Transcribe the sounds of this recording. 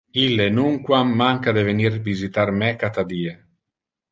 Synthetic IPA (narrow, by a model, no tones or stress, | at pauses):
ilːenuŋkwamːaŋkad̪evenirvizit̪aɾmɛkat̪ad̪iːe